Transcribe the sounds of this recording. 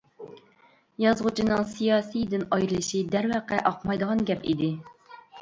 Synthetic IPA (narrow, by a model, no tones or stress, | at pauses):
jɑzʁut͡ʃʰinɨŋsijɑːsid̪ɪnɑjɾɨlˠɨʃid̪æɾwæqɛʔɑqmɑjd̪əʁɑnɡʲɛpḭd̪ɪ